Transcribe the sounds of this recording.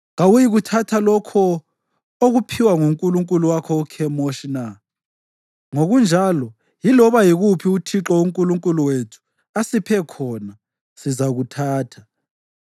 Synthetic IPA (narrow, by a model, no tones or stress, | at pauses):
ɣawujiɣutʰatʰalɔkʰɔ | oɣupʰiwaŋuŋkʼuluŋkʼuluwakʰɔukʰɛmoʃina | ŋoɣund͡ʒʱalɔ | jilɔβajiɣupʰiutʰiǁɔuŋkʼuluŋkʼuluwetʰu̥ | asipʰɛkʰɔna | sizaɣutʰaːtʰḁ